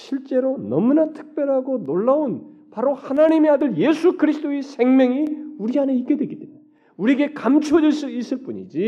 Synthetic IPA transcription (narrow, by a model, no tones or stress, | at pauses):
ɕʰiɭt͡ɕ͈e̞ɾonʌmunatʰɯ̥k̚p͈jʌɾɦaɡonoɭːaonpaɾohanaɲime̞adɯɾje̞sʰukɯɾisʰɯt͈ʰoesʰe̞ŋmjʌŋiuɾiɦane̞ik͈e̞dwe̞ɡidwem | uɾiɡe̞kamt͡ɕʰod͡ʑiɭs͈uis͈ɯɭp͈uɲḭd͡ʑi